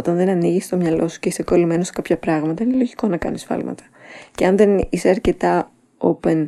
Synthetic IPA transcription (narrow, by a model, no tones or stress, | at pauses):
ot̪ɐnðe̞nɐniʝist̪o̞mɲɐlo̞su̥ceiseko̞lime̞no̞se̥kɐpçɐpɾɐɣmɐt̪ɐinelo̞ʝiko̞nɐkɐ̰nisfɐ̰lmɐ̰t̪ɐ̥ceɐnðe̞niseɐɾce̞t̪ɐ | open